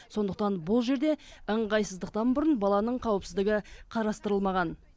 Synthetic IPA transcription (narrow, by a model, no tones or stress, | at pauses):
so̞nd̪əq̚t̪ɑnbʊlˠʒe̞ɾd̪e̞əɴʁɑjsəzd̪əq̚t̪ɑnbʊɾənbɑlˠɑnəɴqʰɑwəpsɪzd̪ɪɡʲɪqʰɑɾɑst̪əɾəlˠmɑʁɑn